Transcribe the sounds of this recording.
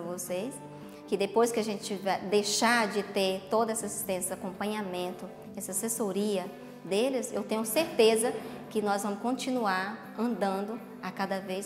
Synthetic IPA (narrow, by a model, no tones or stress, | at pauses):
ɐvosejs | kɪd̪epojskɪɐʒẽnt͡ʃɪt͡ʃɪvajd̪ejʃaɾd͡ʒɪt̪eɾt̪od̪ɐɛsɐsi̥st̪ẽsɐakõmpɐ̃ɲamẽnt̪ʊ | ɛsɐsesoɾiɐ | d̪elɪsḛwt̪ẽɲʊseɾt̪ezɐ | kɪnɔzvɐ̃mʊskõt͡ʃĩnuaɾ | ɐ̃nd̪ɐ̃nd̪ʊ | ɐkad̪ɐvejs